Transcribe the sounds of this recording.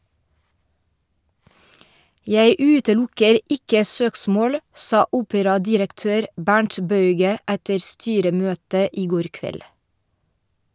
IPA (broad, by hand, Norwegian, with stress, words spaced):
ˈjæɪ ˈʉːtəˌlʊkəɾ ˈɪkə ˈsøːksmoːl ˈsɑː ˈuːpəɾɑdɪɾəkˌtøːɾ ˈbæɳʈ ˈbɑʉɡə ˈætə ˈstyːɾəˌmøːtə ˈiː ˈɡoːɾ ˈkʋɛl